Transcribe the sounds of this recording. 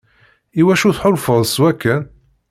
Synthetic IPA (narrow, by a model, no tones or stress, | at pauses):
iwæʃuθħʊlfəðˤswækːæ